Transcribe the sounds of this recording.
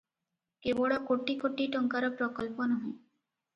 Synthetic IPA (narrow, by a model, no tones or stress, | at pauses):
keboɽɔkoʈikoʈiʈɔŋkaɾɔpɾɔkɔlpɔnɔɦɔ̃j